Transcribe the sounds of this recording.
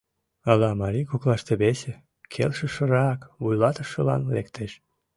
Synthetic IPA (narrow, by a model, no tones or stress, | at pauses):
ɑlɑmɑɾikuklɑʃt̪eβese | kʰḛlʃə̆ʃə̆ɾɑkβujlɑt̪əʃə̆lɑ̰nlḛkt̪eʃ